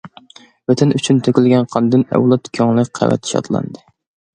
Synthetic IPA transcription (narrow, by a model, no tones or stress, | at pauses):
vɛt̪ʰɛnyt͡ʃʰynt̪ʰøkʲilɡʲɛnqʰɑnd̪ɨnɛ̰wlˠɑt̪kʲʰøŋlˠɨk̚ʲqʰæ̰vɛ̰t̪ʰi̥ʃɑ̰d̪lˠɑ̰nd̪ɨ